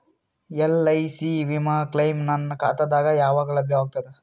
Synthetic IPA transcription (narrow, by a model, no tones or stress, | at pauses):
elɐjsiʋimaːklɐjmnɐnːɐkaːt̪ɐd̪aːɡɐjaːʋaːɡɐɭɐbʱjɐʋaːɡ̚t̪ɐd̪e